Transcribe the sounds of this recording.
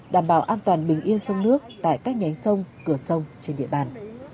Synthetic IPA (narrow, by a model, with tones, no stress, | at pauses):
ɗaː˧˩mɓaː˧˩wʔaː˧nt̪waː˨˩nɓï˨˩ŋ̟ʔi˧ənsə˧wŋ͡mnɨ˦˥ək̚t̪a̰ː˧˨jkaː˦˥k̚ɲa˨˦jŋ̟sə˧wŋ͡mkɨ˧˩əsə˧wŋ͡mt͡ɕe˧nɗḭ˧˨əɓaː˨˩n